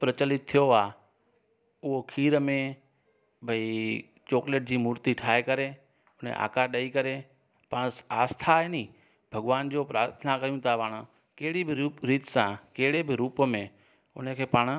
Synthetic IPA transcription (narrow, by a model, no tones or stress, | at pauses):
pɾət͡ɕəlɪt̪̚t̪ʰːijoaː | ʊɦokʰiːɾəmẽ | bʱəi | t͡ʃoːkleːʈ̚d͡ʑiːmuːɾt̪iʈʰaːekəɾe | ʊn̤ḛʔa̰ːkaɗəikəɾe | paːɽ̃aːst̪ʰaeːnĩː | bʱəɡʋaːnd͡ʑoːpɾaːɾt̪ʰənakɐijũt̪ʰapaːɽ̃ | keːɪɽibɪɾiːt̪sãkeːɪɽebʱɪɾuːpəmẽ | ʊ̰nkʰeːpaːɽ̃